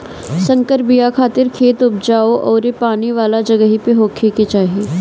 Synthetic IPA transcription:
sɐ̃ŋkəɾbijakʰaːt̪ɪɾkʰeːt̪ʊp̚d͡ʒaːoʔɔːɾepaːniʋaːlad͡ʒɐɡəɦipeɦoːkʰeket͡ʃaːɦieː

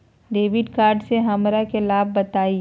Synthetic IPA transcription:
ɖeːʋɪɖkaːɾɖseɦɐmɾakelaːb̚ːɐt̪aːi

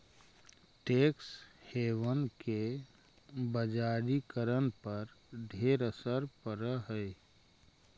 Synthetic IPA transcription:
ʈeːksheːʋənke | bəd͡ʒaːɾikəɾənpəɾɖʱeːɾəsəɾpəɾəɦə

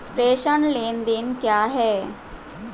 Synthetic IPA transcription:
pɾeːʃənleːnd̪ɪnkjaːɦɛː

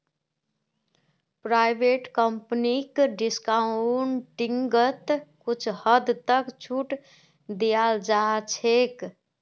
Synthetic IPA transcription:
pɾaːɪbeːʈkəmpnikɖɪskauɳʈɪŋɡət̪kʊt͡ʃʰhəd̪t̪əkt͡ʃʰuʈ | d̪ijald͡ʒat͡ʃʰek

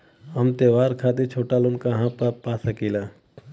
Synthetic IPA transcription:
ɦəmt̪eːʋaːɾkʰaːt̪̬et͡ʃʰoːʈalʊnkaɦãpəpaːsəkilaː

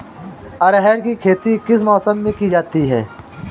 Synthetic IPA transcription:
ɐɾɦɛːɾkikʰeːt̪ikɪsmɔːsəmːẽkid͡ʒaːt̪iɦɛ̰ː

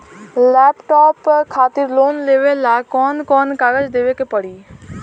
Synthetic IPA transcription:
lɛːpʈɔːpkʰaːt̪ɪɾloːnleːʋelːaːkɔːnkɔːnkaːɡəd͡ʒd̪eːʋekepəɽiː

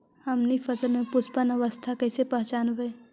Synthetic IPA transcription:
hɐmnifəsəlmẽpʊspənəʋəst̪ʰakɛːsepɐ̃ɦt͡ʃaːnʋeː

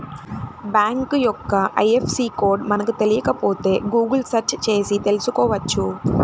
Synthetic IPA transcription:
baːŋkɨjɔkːɐʔɐ̰jefsikoːɖmɐnɐkːɨt̪elɪjɐkːɐpoːt̪ːeːɡuːɡɐlsɐɾt͡ʃt͡ʃe̞ːsit̪elɪsukoːʋɐt͡ʃːu

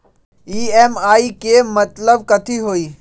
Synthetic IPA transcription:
iːeːmaːiːkeːmɐt̪ləbkɐt̪ʰiːɦoːiː

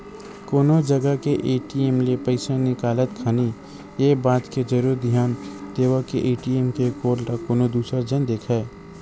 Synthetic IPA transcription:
koːnod͡ʒəɡəkeʔeːʈiemlepəɪsanɪkaːlət̪kʰani | jeːbaːt̪ked͡ʒɐɾuːɾd̪ʱjaːnd̪eːʋakeʔeːʈiemkekoːɾʈakoːnod̪uːsəd͡ʒənd̪eːkʰɛː

